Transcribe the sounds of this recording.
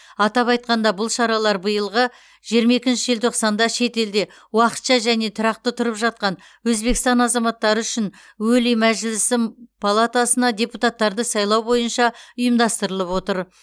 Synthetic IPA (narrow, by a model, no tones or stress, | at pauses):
ɑt̪ɑpɑjt̪̚qɑnd̪ɑbʊlˠʃɑɾɑlˠɑɾbəjəlˠʁə | ʒ̥ijəɾmɑe̞kʲɪnʃɪʒelt̪ʰo̞qsɑnd̪ɑʃe̞t̪e̞ld̪e̞ | wɑqə̥t̪ʃɑʒæne̞t̪ʰʊɾɑq̚t̪ət̪ʰʊɾəpʒɑt̪̚qɑn | wɵzbe̞kʲɪst̪ɑnɑzɑmɑt̪ːɑɾəʏʃɪn | wɵlimæʒɪlɪsɪmpʰalˠat̪asənɑd̪ʲe̞put̪at̪ːɑɾd̪əsɑjlˠɑwbo̞jənʃɑʊjəmd̪ɑst̪əɾəlˠəpwo̞t̪əɾ